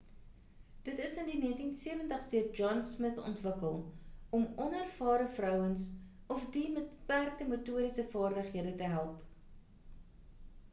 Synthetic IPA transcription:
d̥ətəsəndiniəntinsiəvəntəχstiət̚d͡ʒɔnsməθɔ̰ntvəkəlˠɔmɔnærfɑːɾəfrœwəns | ɔfdimətpærk̚təmutuəɾisəfɑːrdəχɦiədətəɦælˠp

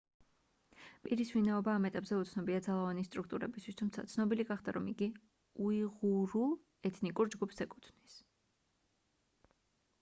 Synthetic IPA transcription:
pʼiɾiswinaɔbaːmɛt̪ʼapʼzɛut̪sʰnɔbiad̪zalˠavanist̪ʼɾukʰt̪ʼuɾɛ̰bist̪ʰwist̪ʰumt̪sʰa̰t̪sʰnɔbiliɡaχd̪aɾɔmiɡi | uiʁuɾulˠ | ɛt̪ʰnikʼuɾd͡ʒɡupsɛkʼu̥t̪ʰvnis

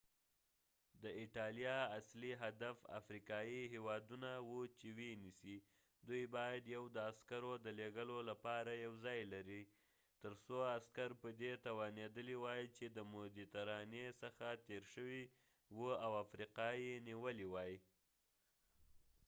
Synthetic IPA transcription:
d̪əiʈɑlijɑasliɦad̪afa̰fɾikɑjiɦewɑd̪unawut͡ʃewenisi | d̪ujbɑjad̪jawd̪əaskaɾod̪əleɡəlolapɑɾajawzɑjlaɾi | t̪əɾsoaskaɾpəd̪et̪awɑned̪əliwɑjit͡ʃed̪əmod̪it̪aɾɑnesəxat̪eɾʃəwi | wuawafɾiqɑjeniwəliwɑji

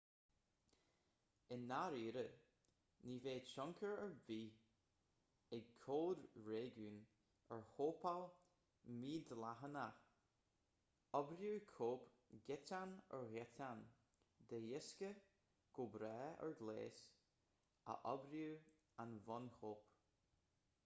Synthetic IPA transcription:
ɪnːaɾiːɾə | niːveːt͡ʃɔŋkʰəɹəɹviː | ɪɡ̚kʰoːdɹeːɡuːn | əɹhoːpal | miːd̪laɦəna | ɔbɾjuːkʰoːp | ɡɛtanəɹjɛt̪ʰan | d̪ejɪskə | ɡ̥ubɾɛːə̰ɹɡlḛːs | ə̰ʔɔbɾjuː | anvɔnhoːp

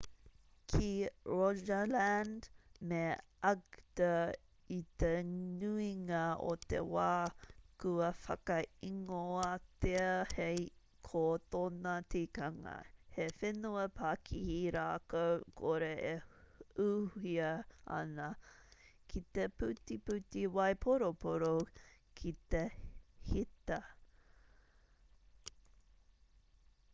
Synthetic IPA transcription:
kʰiɹod͡ʒəlændme | ɐkt̪ɐ | it̪enuiŋɐo̰t̪ḛwaːkuɐfɐ̰kɐiŋoɐt̪eɐhej | kʰot̪onɐt̪ʰikɐŋɐ̰hefenuɐpʰaːkʰihiɾaːkowkʰoɾee | uːhiɐɐ̰nɐ | kʰit̪epʉtipʉtiwɐjpʰoɾopoɾokʰit̪ehit̪ɐ

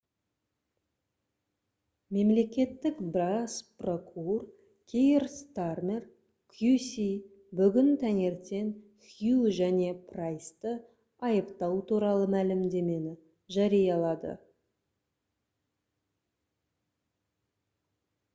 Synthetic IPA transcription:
me̞mle̞kʲe̞t̪ːɪkbraspro̞kʰur | kʲʰejrst̪armʲer | kʲʰjusi | bʏɡʲɪnt̪ʰæŋe̞ɾt̪e̞ŋ | xjuʒæne̞prajst̪ə | ɑjəpt̪ɑwt̪ʰuɾɑlˠəmælɪmd̪e̞me̞nɪ | ʒɑɾijɑlˠɑd̪ə̰

